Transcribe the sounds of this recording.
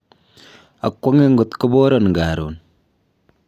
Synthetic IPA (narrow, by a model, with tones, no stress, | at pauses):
a̰˨kʷːɔ˦ŋe˦ŋɡo˨t̪ko˦boː˦ɾɔ˨nŋɡa˨ɾo̰˨n